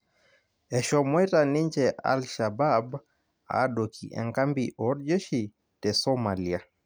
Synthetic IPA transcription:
ɛʃɔmwɛtaniɲd͡ʒɛʔa̰lʃabab | a̰ɗokḭʔɛ̰ŋkambiʔɔɾd͡ʒeʃi | tɛsɔmalia

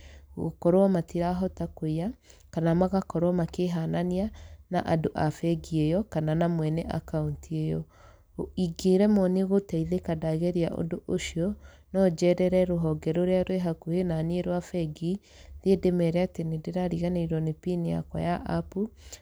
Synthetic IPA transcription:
ɣo̰kɔɾowamatiɾaɦɔtakoia | kanamaɣakɔɾwɔmakeɦananianaʔadoʔafɛɡiejɔkananamwɛnɛʔa̰kauntiejɔ | iɡeɾɛmɔneɣotaiðekadaɣɛɾiaʔo̰doʔoʃiɔ | nɔd͡ʒɛɾɛɾɛɾoɦɔɡɛɾoɾeaɾweɦakuhenanieɾwafɛɡi | ðedemɛɾɛatenedeɾaɾiɣaneiɾɔnepinia̰kwɔ̰jaʔapu

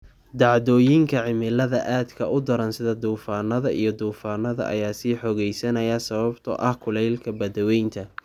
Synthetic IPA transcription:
d̪ɑʕðɔːjɪŋkʰɐʕɪmɪlɐðɐʔaːd̪kʰɐʔʊd̪ɐɾɐnsɪðɐd̪uːfaːnɐðɐʔijɞd̪uːfaːnɐðɐ̰ʔɐ̰jaːsiːħɔɣɛjsɐnɐjɐsɐβɐbt̪ʰɔ̰ʔɐhkʰʊlɛjlkʰɐbɐðɔwɛjnt̪ʰɐ

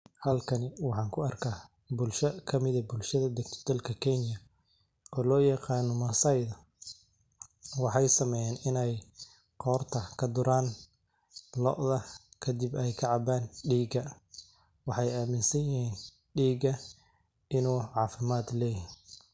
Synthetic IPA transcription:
hɐlkʰɐnɪwɑħɑːŋkʰʊɐrkʰaː | bʊlʃɐkʰɐmɪðɐbʊlʃɐðɐd̪ɛɡ̚t̪ʰɔ̥d̪ɐlkʰɐkʰɛnjɐ | ʔɔːlɔːjɐqɑːnɔmɐsɐjðɐ | wɑħɑjsɐmɛjaːnɪnɛj | qɔːrt̪ʰɐkʰɐd̪ʊɾaːn | lɔ̰ʔðɐkʰɐd̪ɪbɛjkʰɐʕɑbaːnɖiːɡɐ | wɑħɑjaːmɪnsɐjjɪɦiːn | ɖiːɡɐ | ɪnuːʕɑːfɪmaːd̪lɛːj

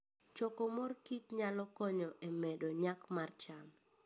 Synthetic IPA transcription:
t͡ʃɔkɔmorkitɲalɔkɔɲɔʔemɛdoɲakmart͡ʃan

